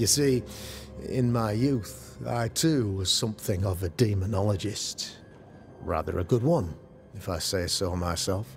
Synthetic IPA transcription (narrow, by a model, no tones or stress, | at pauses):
jɨsi | ɪ̰̃nmaɪjʉθ | a̰ɪtʰʉwʌz̥sʌ̃mθɪ̃ŋʌvɨdimənɑlˠəd͡ʒɪst | ɹæ̰ðə̰˞ʔɨ̰ɡʊd̚wʌ̃n | ɨfaɪseɪsoʊmaɪsɛlˠf